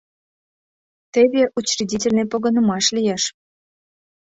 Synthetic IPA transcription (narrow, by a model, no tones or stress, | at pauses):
t̪eβʲeʔut͡ɕridʲitʲelʲnĕpoɣɤ̆nə̆mɑʃlʲijeʃ